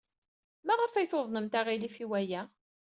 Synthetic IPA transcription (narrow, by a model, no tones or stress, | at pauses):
mæʁəfæjθoðˤnəmt̪æʁilifiwæjæ